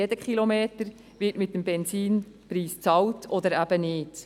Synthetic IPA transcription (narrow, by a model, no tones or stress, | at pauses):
ed̥əkχilomeːtəɾ | ʋɪtmɪt̪ːəmbɛnsiːn | pɾiːst͡sɑwtʰɔd̪əɾæb̥ənɪːt